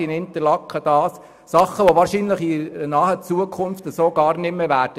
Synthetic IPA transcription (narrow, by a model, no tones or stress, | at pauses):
inɪnt̪əɾlɑkχəd̥ɑːs | sɑχːəʋɔʋɑːɾʃiːnləχinɑːhət͡suəkʰʊnftəsoːɡ̥ɑːɾnɪmːɛʋæːɾd̥ə